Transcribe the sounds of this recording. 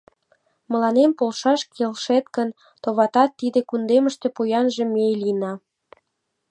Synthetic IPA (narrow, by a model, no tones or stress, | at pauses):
mə̆lɑnempolʃɑʃkʰelʃet̪kən | t̪oβɑt̪ɑt̪ːid̪ekund̪eməʃt̪epujɑnʒĕmejlinɑ